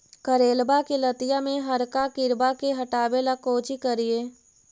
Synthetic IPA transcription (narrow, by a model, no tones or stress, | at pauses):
kəɾeːlbakelət̪ɪjamẽɦɐɾkakɪɾbakeɦɐʈaːbelakoːt͡ʃikəɾieː